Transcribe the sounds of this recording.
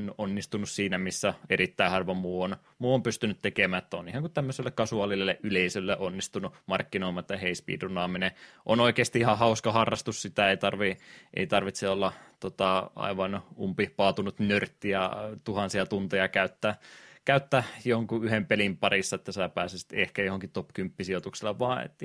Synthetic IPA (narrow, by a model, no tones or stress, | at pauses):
nonːist̪unussiːnæmisːæeɾit̪ːæihɑrʋɑmuːon | muːompyst̪ynyt̪t̪ekemæːet̪ːæonihɑŋkut̪t̪æmːøselːekkɑsuɑlilːeʔʔyleisølːeʔonːist̪unumɑrkːinoimɑet̪ːæheispḭːt̪unːɑːmineʔonoikeːst̪iihɑhɑuskɑhɑrːɑst̪ussit̪æeit̪ɑrʋiʔḛit̪ɑrʋit̪seolːɑt̪ot̪ɑɑ̰iʋɑnumpipɑːt̪unut̪nørt̪ːiæt̪uhɑnsiɑt̪unt̪ejɑkæyt̪ːækæyt̪ːæjohoŋkuyhempelimpɑrisːɑet̪ːæsiæpæːsisi̥t̪ehkæjohoŋkit̪opkympːisiot̪ukselːɑʋʋɑːḛt̪ː